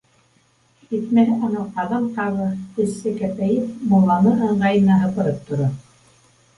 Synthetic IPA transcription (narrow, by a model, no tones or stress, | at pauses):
iθmæɾɘʔɑnɤqɑðɤmq̪ɑβɤkɵ̆sːɘkæpæjɘpmulˠːɑnɤɤɴɢɑjɤ̆nɑɦɤ̆pɤ̆ɾɤp̚t̪ŏɾo